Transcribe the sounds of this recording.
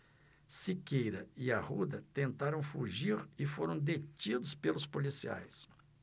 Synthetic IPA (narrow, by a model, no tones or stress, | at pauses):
sikejɾɐɪɐhud̪ɐt̪ẽnt̪aɾɐ̃w̃fuʒiɾɪfoɾɐ̃w̃d̪et͡ʃid̪ʊspelʊspolisia̰js